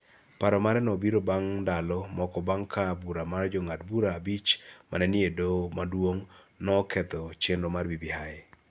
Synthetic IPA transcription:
paɾɔmaɾɛnɔbiɾobaŋdalɔmɔkɔbaŋkʰabuɾamaɾd͡ʒɔŋad̚buɾaːbit͡ʃma̰nɛnɪedomadwoŋ | nɔːkʰɛt̪ɔt͡ʃenɾomarbibihaj

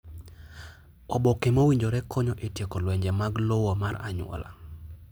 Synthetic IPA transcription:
ɔbɔkemowiɲd͡ʒoɾɛkʰɔɲɔʔetjekolwɛɲd͡ʒɛmaɡlowɔmaɾaɲwɔ̰la̰

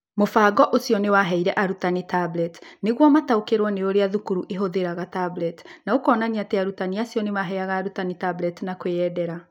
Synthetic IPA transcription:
mofaːɡɔʔosiɔnewaɦɛiɾɛʔaɾutanitablɛtneɣwɔmataokeɾwɔneoɾeaðukuɾuʔeɦoðeɾaɣatablɛtnaokɔːnaniateaɾutaniasijɔnemaɦɛaɣaːɾutanitablɛtnakweɛdɛɾa

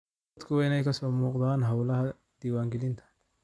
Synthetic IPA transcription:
d̪kʰʊwɛɪnɛjkʰɐsɔːmuːqd̪aːnɦɐwlɐhɐ | d̪̥iːwaːŋɡɛlɪnt̪ʰɐ̥

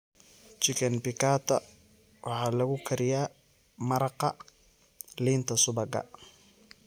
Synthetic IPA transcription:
t͡ʃɪkɐnpɪkʰaːt̪ʰɐ̰ | wʔɑħɑːlɐɣʊkʰɐɾɪjaː | mɐɾɑqɑ | liːnt̪ʰɐsʊβɐɡɐ̰

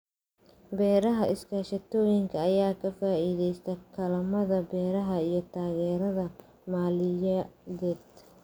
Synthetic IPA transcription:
bɛːɾɐɦɐʔɪskʰaːʃɐt̪ʰɔːjɪŋkʰɐɐjaːkʰɐfaːiːðɛjst̪ʰɐkʰɐlɐmɐðɐbɛːɾɐɦɐijɞt̪ʰaːɣɛːɾɐðɐ | maːlɪjɐðɛːd̪̥

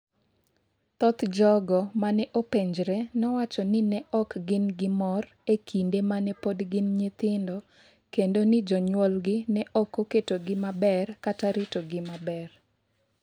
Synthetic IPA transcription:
t̪ɔt̪d͡ʒɔɡɔmanɛʔopeɲd͡ʒɾenɔwat͡ʃɔnɪnɛʔɔkɡɪnɡɪmɔr | ekʰindemanɛpodɡɪnɲɪt̪ɪndɔ | kendonɪd͡ʒɔɲwɔlɡɪnɛʔɔkoketoɡɪmabɛrkataɾɪtoɡɪmabɛr

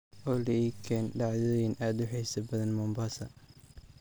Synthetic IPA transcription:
ʔɔːlɐiːkʰɛːnɖɑʕðɔjinʔaːd̪ʊħɛsɐbɐðɐnmɔmbaːsɐ

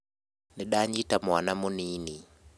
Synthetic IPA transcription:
niɗaɲitamwanamuniːni

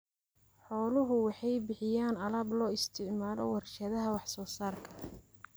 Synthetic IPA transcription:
ħɔːlʊɦʊwɑħɑjbɪħɪjaːnɐlɐblɔːɪst̪ʰɪʕmaːlɔ̰wɐrʃɐðɐɦɐwɑħsɔːsaːrkʰɐ

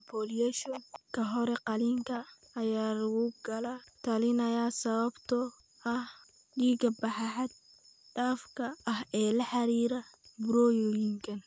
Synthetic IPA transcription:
pʰɔːliɛʃɔkʰɐɦɔɾɛqɑliːŋkʰɐ | ɐjaːlwuːɡɐlat̪ʰɐlɪnɐjaːsɐβɐbt̪ʰɔ | ɐh | ɖiːɡɐbɑħɑħɑd̪̚ | ɖaːfkʰɐɐɦɛːlɐħɑɾiːɾɐbɾɔjɔjɪŋkʰɐn

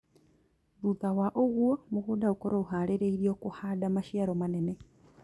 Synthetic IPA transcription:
ðuðawaʔoɣuamuɣudaukoɾouɦaleɾeiɾioːkuhadamaʃjaɾomane̞ne

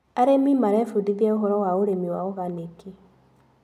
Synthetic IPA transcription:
aɾemimaɾɛfudiðɛoɦɔɾɔwaoɾemiwaoɣaneki

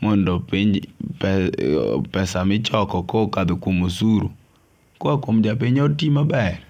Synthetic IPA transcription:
mɔndɔpiɲpɛ | pɛsamɪt͡ʃɔkɔkokad̪okwomosuɾṵ | koakwomd͡ʒap̬iɲɔrtimabɛr

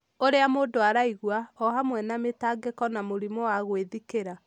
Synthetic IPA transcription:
oɾeamoːdoaɾaiɣwaɔhamwɛnametaɡekɔnamoɾimɔwaɣweðikeɾa

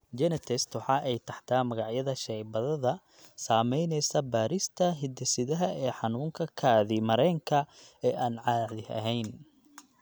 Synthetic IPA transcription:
d͡ʒɛnɛt̪ʰɛst̪wɑħɑːʔɛjt̪ʰɐħt̪ʰaːmɐɣɑʕjɐðɐʃɛjbɐðɐðɐ | saːmɛjnɛjsɐbaːɾɪst̪ʰɐɦɪd̪ɛsɪðɐɦɐɛːħɑnuːŋkʰɐkʰaːðimɐɾɛŋkʰɐɛːʔaːnʕɑːʕðɪhɐ̰ɦɛjn

